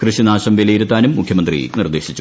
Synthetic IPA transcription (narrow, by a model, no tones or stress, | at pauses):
krɨɕinaːɕɐmʋilɐjiɾut̪ːaːnumːukʰjɐmɐnd̪rḭnird̪e̞ːɕit͡ɕːu